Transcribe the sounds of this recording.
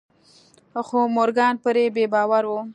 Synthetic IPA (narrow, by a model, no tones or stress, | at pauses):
xomoɾɡɑnpəɾebebɑwaɾwu